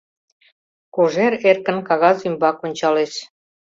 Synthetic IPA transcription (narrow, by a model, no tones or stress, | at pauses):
koʒeɾerkə̆nkɑɣɑzymbɑkonʲt͡ɕɑleʃ